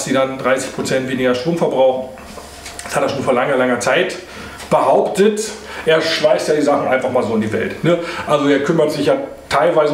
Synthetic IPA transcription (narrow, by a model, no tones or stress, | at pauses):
sd̥iːdandʁaɪsɪ̥çpʁ̥ot͡sɛntv̥eːnɪɡɐʃtʁ̥oːmfɛɐbʁaʊχn̩̥ | shatjɐʃoːnfoɐlaŋɐlaŋɐt͡saɪt | b̥əhaʊptət | ʔeːɐʃlaɪstjaːdiːzaχn̩ʔa̰ɪnfaχmaːlzoːɪndiːvɛ̰ltnəʔalzoeːɐkʰʏmɐtz̥ɪçjaː | tʰaɪlvaɪzə